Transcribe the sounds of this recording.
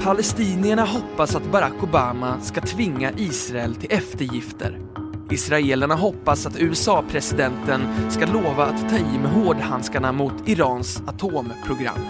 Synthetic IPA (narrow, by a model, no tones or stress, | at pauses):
pʰalɛst̪iːnɪəɳaɦɔpːasat̪baɾakːʊbaːmaskat̪ʰvɪŋːaʔiːsɾaɛlt̪ʰɪlɛft̪əɾjɪft̪ə̰ɾ | ɪsɾaeːlaɳaɦɔpːasat̪ʉ̟ːɛsɑːpʰɾɛsɪd̪ɛnt̪ənskaloːvaːt̪ʰːɑːiːmɛɦoːɖhanskaɳamʊt̪ɪɾɑːnsat̪ʰoːmpʰɾʊɡɾa̰mː